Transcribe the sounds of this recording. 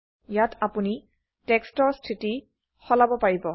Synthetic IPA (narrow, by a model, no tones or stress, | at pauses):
jatapuni | tɛkstɔɹstʰɹiti | xɔlabɔpaɹibɔ